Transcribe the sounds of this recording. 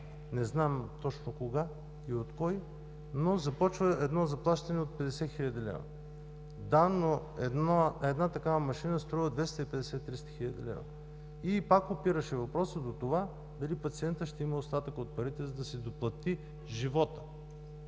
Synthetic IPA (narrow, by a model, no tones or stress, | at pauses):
nɛznamt̪ɔt͡ʃnokoɡa | iot̪kɔj | nozɐpɔt͡ʃvəɛd̪nɔzɐplˠaʃt̪ɐnɛot̪̚pɛd̪ɛsɛxilʲɐd̪ilɛ̰vɐ̰ | d̪ano | ɛnɛd̪nat̪ɐkavəmɐʃinəst̪ɾɔvəd̪vɛst̪əipɛd̪ɛsɛt̪ːɾist̪ə̥xilʲəd̪ḭlɛ̰vɐ̰ | ipakopiɾəʃɛvɐpɾɔsəd̪ot̪ova | d̪ɐlipɐt̪siɛnt̪əʃt̪ɛiməost̪at̪əkəot̪̚pɐɾit̪ɛzɐd̪ɐsɛd̪oplˠɐt̪i | ʒivɔt̪ə̥